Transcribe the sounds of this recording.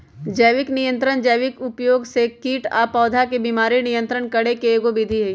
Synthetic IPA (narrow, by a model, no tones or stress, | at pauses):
d͡ʒəjʋɪknɪjə̃nt̪ɾəɳd͡ʒəjʋɪkʊpjoːɡsekiːʈa̰ːpɔːd̪ʱakebiːmaːɾinɪjə̃nt̪ɾəɳkɐɽekeːɡobɪd̪ʱiɦɛ